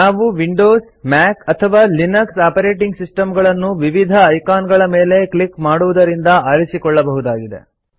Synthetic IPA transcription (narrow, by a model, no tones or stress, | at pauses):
naːʋuʋiɳɖoːs | maːkɐt̪ʰɐʋaːlinɐksaːpɐɾeːʈiŋɡsisʈɐmɡɐɭɐnːuʋiʋid̪ʱɐːjkaːnɡɐɭɐmeːle̞klikmaːɽuʋud̪ɐɾind̪ɐʔɐɾisikɔɭːɐbɐɦud̪aːɡid̪e̞̰